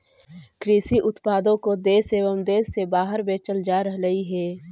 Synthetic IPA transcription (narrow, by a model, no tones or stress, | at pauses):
kɾiːsiʔʊt̪paːd̪õkod̪eːseːʋəmd̪eːsːebaːɦəɾbeːt͡ʃəld͡ʒaːɾɐɦɾɐiɦɛː